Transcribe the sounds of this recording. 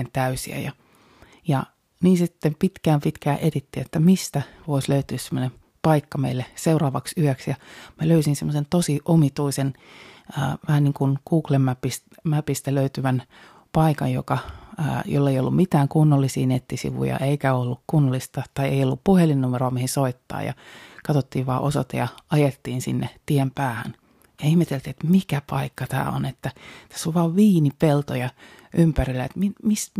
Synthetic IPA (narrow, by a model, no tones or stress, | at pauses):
ent̪æysḭæ̰jɑ | jɑ | niːsisit̪ːempit̪kæːmpit̪kæːʔet̪it̪ːiːet̪ːæmist̪æʋoisløyt̪yːssemːonem | pɑikːɑmḛilːeseurɑːʋɑksyæksjɑmæløysinsemːosent̪osiʔomit̪uisen | əːʋæhæniːŋkunkuːklemːæpist̪mæpist̪æløyt̪yʋæn | pɑikɑ̰jjo̰kɑə̰ːjo̰lːeijolːummit̪æːŋkunːolːisiːnet̪ːisḭʋṵjɑ̰ʔeikæolːukkunːolːist̪ɑt̪ɑiḛiolːuppuhelinːumeroɑmihisoit̪ːɑ̰ːjɑ̰kɑt̪ot̪ːiːʋʋɑːʔoso̰t̪ɑjɑɑjet̪ːiːnsḭnːḛt̪iempæːhæ̰n | jɑihmet̪elt̪iet̪mikæpɑikːɑt̪æ̰ːo̰net̪ːæt̪æ̥sːoʋʋɑːʋʋiːnipelt̪ojɑ | ʔympærilːæḛt̪mimis